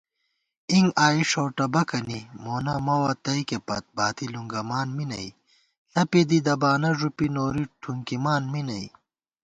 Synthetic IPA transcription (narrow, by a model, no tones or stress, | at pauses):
iŋɡaːiʂoːʈɐbɐkɐnimoːnɐmɐwɐt̪ɐikepɐ̰t̪̚baːt̪iluŋɡɐmaːnminɐ̰i | ɬɐped̪id̪ɐbaːnɐʐupinoːɾiʈʰuŋkimaːnminɐḭ